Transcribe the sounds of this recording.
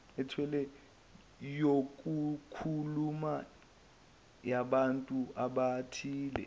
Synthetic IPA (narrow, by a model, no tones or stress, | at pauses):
ɛtʰwɛlɛ | jok̬ʼukʰuluma | jaɓantʼuaɓatʰiːlɛ̰